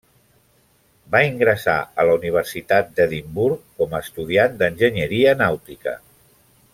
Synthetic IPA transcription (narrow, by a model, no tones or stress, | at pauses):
baiŋɡɾəsa̰ələuniβ̞ərsit̪at̪̚d̪əðimbuɾkːɔməːst̪uð̞iand̪ənʒəɲəɾiənawt̪ikə̰